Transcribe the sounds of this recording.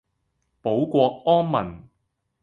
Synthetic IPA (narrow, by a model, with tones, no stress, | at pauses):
po˨˥wkʷɔː˧k̚ɔː˥nmɐ̰˨˩n